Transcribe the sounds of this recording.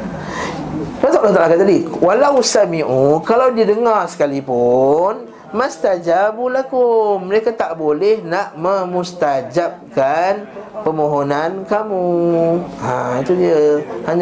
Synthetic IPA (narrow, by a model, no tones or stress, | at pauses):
pasaʔlat̪aʔakat̪adiwalawusamiʔukalawdidəŋarsə̥kalipun | mãst̪ad͡ʒabulakoməɾekat̪aʔbolɛhnaʔmə̃mũst̪ad͡ʒap̚kanpəmõɦonankamu | ã̰it̪udiəhaɲa